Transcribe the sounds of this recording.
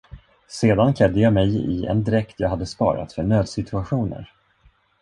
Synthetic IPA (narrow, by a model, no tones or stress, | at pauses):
seːd̪ankʰlɛd̪ːəjɑːmɛjɪ̰ɛ̰nd̪ɾɛkt̪jɑːɡhad̪ːəspɑ̰ːɾa̰t̪fœɳøːd̪sɪt̪ʰɵaɧuːnə̰ɾ